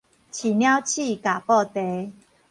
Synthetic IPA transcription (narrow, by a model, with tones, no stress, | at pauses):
t͡ɕʰi˨˩njã˦wt͡ɕʰi˥˧ka˨˩pɔ˥˧t̪e˨˦